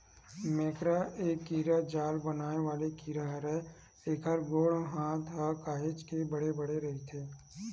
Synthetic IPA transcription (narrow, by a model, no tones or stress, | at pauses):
meːkɾaeːkːiːɾad͡ʒaːlbənaːneʋaːlekiːɾaɦɾɛ | eːkʰəɾɡoːɽɦãːt̪ʰɦəkaːɦɪt͡ʃkebɐɽebəɽeɾɐɦit̪ʰeː